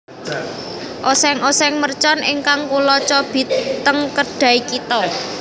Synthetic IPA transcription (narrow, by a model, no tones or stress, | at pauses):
ʔɔsɛŋɔsɛŋmərt͡ʃɔnʔɪŋkaŋkulɔt͡ʃɔb̥i̤t̪əŋkəɖ̥ä̤ikit̪ɔ